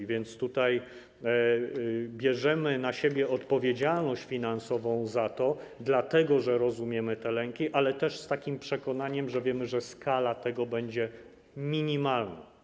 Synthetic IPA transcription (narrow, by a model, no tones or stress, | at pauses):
vʲjɛnt̪st̪ut̪aj | bʲjɛʐɛmɘnaɕebʲjɛʔɔt̪pɔvʲjed͡ʑalnɔɕt͡ɕfʲinansɔvɔ̃w̃zat̪ɔd̪lat̪ɛɡɔʐɛɾɔzumʲjɛmɘt̪ɛlɛŋkʲiʔalɛt̪ɛʂst̪akʲimpʂɛkɔnaɲɛmʐɛvʲjɛmɘʐɛskalat̪ɛɡɔbɛɲd͡ʑɛ | mʲiɲimalna̰